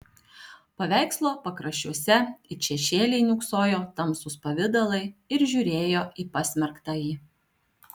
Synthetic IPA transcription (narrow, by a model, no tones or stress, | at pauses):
pɐʋʲæˑɪkslˠoːpɐkɾɐʃʲuɔsʲɛɪt͡ʃʲɛʃʲeːlʲɛɪnʲʊksoːjoːt̪ɐmsʊspɐʋʲɪd̪ɐlˠɐɪɪɾʒʲʊɾʲeːjoːʔiːpɑsʲmʲɛɾkt̪ɑjiː